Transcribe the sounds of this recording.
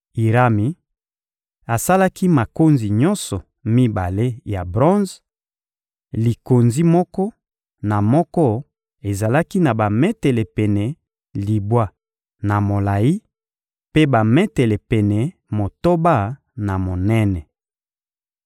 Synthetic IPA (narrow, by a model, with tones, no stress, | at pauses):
i˨ʁa˦mi˨ | a˨sa˦la˦ki˦ma˨ko˦nzi˨ɲɔ˦nsɔ˨ | mi˦ba˨le˦ja˨bʁɔ̃˦nz | li˨ko˨nzi˦mɔ˦kɔ˦ | na˨mɔ˦kɔ˦ | e˨za˨la˦ki˦na˨ba˨mɛ˦tɛ˨lɛ˨pɛ˨nɛ˨ | li˨bwa˦ | na˨mo˨la˨ji˦ | pe˦ba˨mɛ˦tɛ˨lɛ˨pɛ˨nɛ˨ | mo˨to˦ba˦ | na˨mo˨nɛ˦nɛ˨